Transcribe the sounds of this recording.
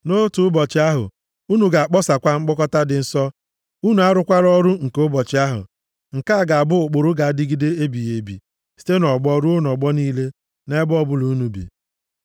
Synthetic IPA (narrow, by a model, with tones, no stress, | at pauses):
no˦tu˨ʊ˦bɔ˨t͡ʃɪ˨a˦ɦʊ̰˨ | u˦nu˨ɡa˨a˨k͡pɔ˦sa˨kʷa˦ŋ͡m̩˦k͡pʊ˦kɔ˦ta˦dɪ˨n̩˦sɔ˦ | u˦nu˨˦a˦ɾʊ˦kʷa˦ɾɔ˦ɾu˦ŋ̩˨ko˦bɔ˨t͡ʃɪ˨a˦ɦʊ̰˨ | ŋ̩˨ka˦a˦˨ɡa˨a˨bʊ˦ʊ˨k͡pʊ˨ɾʊ˦ɡa˨a˦dɪ˦ɡi˦de˦e˦bi˨je˨bḭ˨ | si̥˦te˦nɔ˨ɡ͡bɔ˦ɾu˦o˦n˨ɔ˨ɡ͡bɔ˦niː˦le˦ | ne˦bʊ˦ɔ˦bʊ˦lu˨˦nu˨bḭ˨